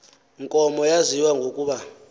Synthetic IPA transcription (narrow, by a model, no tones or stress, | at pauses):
ŋkʼɔmɔjaziwaŋɡʱokʼuɓa